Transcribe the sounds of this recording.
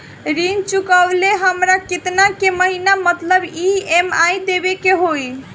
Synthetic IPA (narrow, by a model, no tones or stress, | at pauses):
ɾint͡ʃukəbleɦəmɾaket̪nakeməɦinamət̪ləbiemajd̪ebekeɦoj